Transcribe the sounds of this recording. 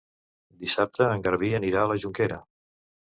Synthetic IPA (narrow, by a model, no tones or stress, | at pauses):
d̪isap̚t̪ʰəːŋɡəɾβ̞iəniɾaələʒuŋkeɾə